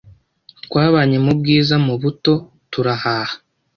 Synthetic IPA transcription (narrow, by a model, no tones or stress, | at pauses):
tkwaːβaɲe̞mubɡiːzamuβuto̞ | tuɾahaːhḁ